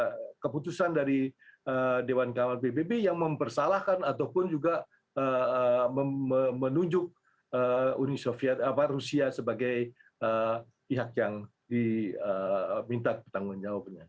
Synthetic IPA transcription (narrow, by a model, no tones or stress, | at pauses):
kəput̪usandaɾiədewankamalpebebejaŋməmpərsalahkanat̪awpʊnd͡ʒuɡa | ə | əəmənuɲd͡ʒʊk̚ | əunisofiɛt̪aparusiasəbaɡaj | ə | piɦak̚jaŋ | diəmint̪akpət̪aŋɡund͡ʒawapɲa